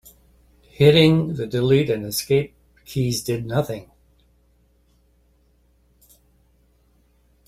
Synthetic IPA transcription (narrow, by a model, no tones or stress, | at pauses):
hɪɾɪ̃ŋðɨdɨliɾɨ̃nɨskeɪp̚ | kʰizdɨdⁿnʌθɪ̃ŋ